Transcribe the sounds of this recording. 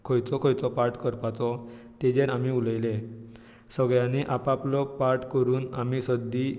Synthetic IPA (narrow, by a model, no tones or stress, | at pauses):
kʰɔjt͡sɔkʰɔjt͡sɔpaɾʈkəɾpat͡sɔ | t̪ed͡ʑeɾamiuləjle | səɡɭjãneʔapaplɔpaɾʈkəɾuːnamisəd̪ːi